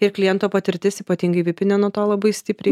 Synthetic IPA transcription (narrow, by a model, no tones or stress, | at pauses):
ɪɾklʲɪjɛnt̪oːpɐt̪ʲɪɾʲt̪ʲɪsiːpɐt̪ʲiːŋɡɐɪʋʲɪpʲɪnʲɛnuɔt̪oːlˠɐbɐɪsʲt̪ʲɪpʲɾʲɛ